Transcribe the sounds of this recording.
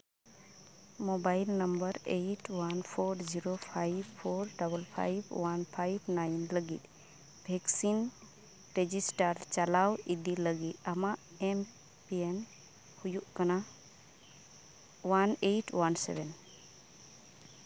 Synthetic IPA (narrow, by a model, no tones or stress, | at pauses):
mobajlnəmbəɾejʈwanpʰoɾziɾopʰajbʰoɾɖabəlpʰa̰jbwanpʰajbnajnləɡit̪̚ | bʱɛksin | ɾed͡ʒisʈaɾt͡ʃalawid̪iləɡit̪̚amaʔ | ɛm | pien | hujuʔkana | wanejʈwansɛ̰bɛn